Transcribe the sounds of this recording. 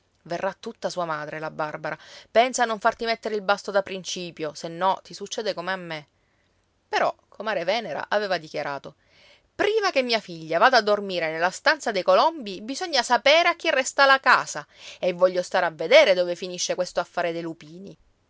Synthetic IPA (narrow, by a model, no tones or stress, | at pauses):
verːat̪ːut̪ːasuːamaːd̪ɾelabarbaɾapɛnsanːoɱfart̪imɛt̪ːeɾeilbast̪od̪apɾint͡ʃiːpjosenːɔt̪isut͡ʃːɛːd̪ekomeamːe | peɾɔkʰomaːɾevɛːneɾa̰ʔaveːvad̪ikjaɾaːt̪o | pɾiːmak̟emːiːafiʎːavaːd̪aːd̪ːormiːɾenelːast̪ant̪sad̪ejkolɔmbibizoɲːasapeːɾeakːirːɛst̪alakaːzaevːɔʎːost̪aːɾeavːed̪eːɾed̪oːvefiniʃːekwest̪oafːaːɾed̪elupiːni